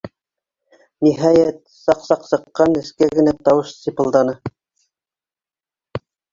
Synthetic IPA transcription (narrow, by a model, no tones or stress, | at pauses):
niɦɑjæt̪̚ | sɑqsɑqsɤ̆qːɑnɘ̆skæɡɘ̆næt̪ɑwɤʃsʲipɤ̆lˠd̪ɑnɤ